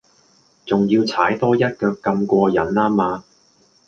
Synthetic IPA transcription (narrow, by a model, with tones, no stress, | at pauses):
t͡sʊ˨˩ŋjiː˧wt͡sʰaː˨˥jt̪ɔː˥jɐ˥t̚kœː˧kːɐ˧mkʷɔː˧jɐ˨˥nlaː˥maː˧